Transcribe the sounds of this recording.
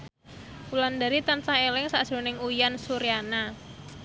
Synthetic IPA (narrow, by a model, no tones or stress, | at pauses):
uland̪aɾit̪ansaŋelɪŋsad̥ʒ̥o̤nɪŋujansuɾijana